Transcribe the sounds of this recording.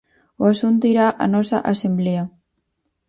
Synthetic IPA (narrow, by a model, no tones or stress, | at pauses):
uasunt̪uiɾaʔa̰nɔsaʔasemblea